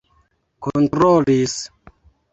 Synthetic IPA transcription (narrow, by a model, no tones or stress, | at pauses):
kontɾolis